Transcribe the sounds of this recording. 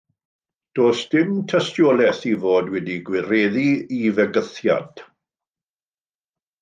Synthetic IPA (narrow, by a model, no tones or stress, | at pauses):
d̥oːsd̥ɪmtʰɛstjɔlɛθivoːdwɛdiɡwɪɾɛːðiivɛɡəθja̰d̥